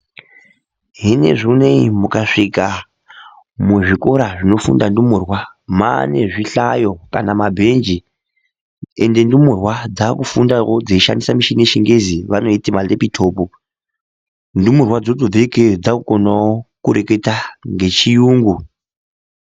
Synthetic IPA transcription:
ɦine̞̰ʐuneimukaʂika | muʐiko̞ɾaʐino̞fṵndandumurwamane̞ʐiɬajo̞kanamabʱe̞nd͡ʒi | e̞ndendumurwad͡zakufundawod͡zeiʃa̰ndisamiʃineʃeŋɡe̞ziʋano̞itimalepitʰo̞ːpo | ndumurwad͡zotod͡zeked͡zakukonaokuɾe̞ke̞taŋɡe̞t͡ʃijuːŋɡu

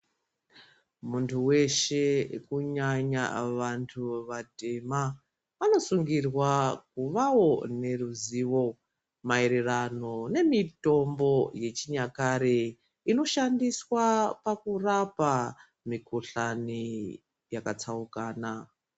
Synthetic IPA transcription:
muntʰuwe̞ʃe̞kuɲaɲa̰ʋantʰuʋate̞ma | ano̞suŋɡirwakuʋawo̞ne̞ruziːʋo̞ | maeɾerano̞ne̞mito̞mbo̞je̞t͡ʃiɲakaɾe | ino̞ʃandiswapakurapa | mikoɬani | jakat͡saukaːna

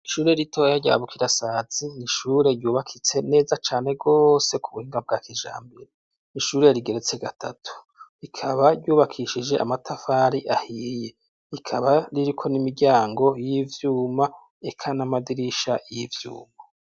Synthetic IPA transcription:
iʃuːɾe̞ɾitʰo̞jaɟa̰ːβukʰiɾasaːziniʃuːɾe̞ɾjuːβakʰit͡se̞ne̞ːzat͡ʃaːne̞ɡo̞se̞kuβuhiːŋɡab̚ɡaːkiʒa̰ːmbiɾe | niʃuːɾe̞ɾiɡe̞ɾe̞t͡se̞ɡatʰa̰tʰu̥ | ikʰaβaɾɟuːβakʰiʃid͡ʒe̞ʔa̰matʰafaːɾiʔahiːje̞ | ikʰaβaɾiɾikʰo̞nimiɾɟaːŋɡo̞jivjuːma | e̞kʰanamadiɾiʃajivjṵːma

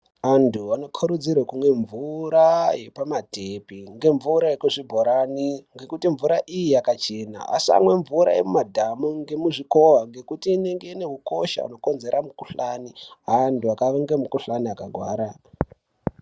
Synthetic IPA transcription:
antʰuano̞kʰuɾud͡zirwekumwe̞ɱvuɾaje̞pamatepiŋɡe̞ɱvuɾajekuʐibʱo̞ɾaniŋɡe̞kutiɱvuɾaʔijijakat͡ʃe̞na̰a̰sia̰mwe̞ɱvuɾa̰jḛmumadʱamuŋɡe̞muʐiko̞ʋaŋɡe̞kutiːne̞ŋɡe̞ine̞ɦuko̞ʃa̰ṵno̞ko̞nze̞ɾʔamukuɬaniɦantʰuakaʋeŋɡe̞mukuɬaniakaɡʱwa̰ːɾa

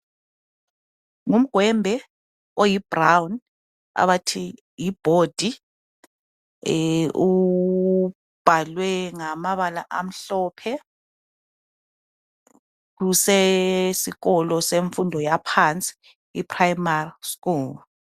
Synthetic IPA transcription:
ŋum̩ɡ̥ʱwɛmbʱɛ | ojib̥rawn | a̰βatʰi | jib̥ʱod̥ʱi | u | b̥ʱalwɛŋamaβalaʔa̰m̩ɬɔːpʰɛ | kusesiɣɔlɔseɱfundʱɔjapʰant͡sʼi̥ | ipʰrajmariskuːl

